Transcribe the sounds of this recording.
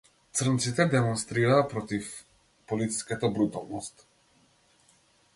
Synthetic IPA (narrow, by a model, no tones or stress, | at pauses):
t̪sr̩nt̪sit̪ɛd̪ɛmɔnst̪ɾiɾaːpɾɔt̪if | pɔlit̪si̥skat̪abɾut̪a̰lˠnɔst̪